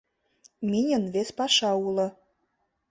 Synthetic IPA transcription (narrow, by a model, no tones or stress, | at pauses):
minʲə̆nβespɑʃɑulɤ̆